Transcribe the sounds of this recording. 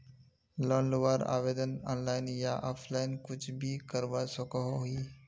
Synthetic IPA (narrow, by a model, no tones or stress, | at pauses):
lɔːnlʊʋaːɾa̰ːʋeːd̪ənɔ̰ːnlaːɪnjaʔɔːpʰlaːɪnkʊt͡ʃʰbʱikəɾʋasʊkaɦoɦi